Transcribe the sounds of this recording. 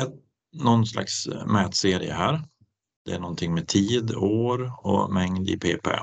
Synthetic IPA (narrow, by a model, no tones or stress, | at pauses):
ɛ | nɔnsla̰ksmɛːt̪seːɾɪ̰ə̰ɦæːɾ | d̪̥ɛæɳɔnt̪ʰɪŋːmɛt̪ʰiːd̪oːɾɔ̰mɛŋd̪ɪ̰pʰeːpʰɛ̰